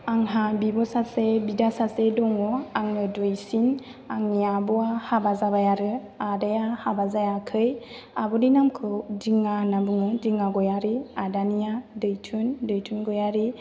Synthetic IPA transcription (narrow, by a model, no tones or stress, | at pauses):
aŋɦabibɔsasebidasasedɔŋɔaŋɯdɯjsin | aŋniabɔahabazabajaɾɯ | adajahabazajakʰɯj | abɔdinamkʰɯwdiŋanabuŋɯdiŋaɡɔjaɾiadanijadɯjtʰɯndɯjtʰunɡɔjaɾi